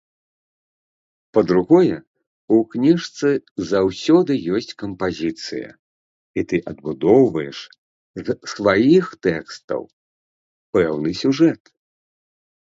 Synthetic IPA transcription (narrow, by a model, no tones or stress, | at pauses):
pɐd̪ɾuɣɔjɛ | uknʲiʂt̪sɨzawsʲɔd̪ɨjɔsʲt͡sʲkɐmpazʲit̪sɨ̰jɐ̰ | it̪ɨʔɐd̪̚bud̪ɔwvɐjɛʂ | zsvajixt̪ɛkst̪ɐ̰w | pɛwnɨsʲuʐɛt̪